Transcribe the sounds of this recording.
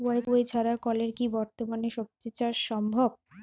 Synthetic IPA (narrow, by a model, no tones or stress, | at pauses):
ajt̪oet͡ɕʰaɾakɔleɾkibɔɾt̪omaneʃop̚t̪it͡ɕaɾʃɔmbʱɔb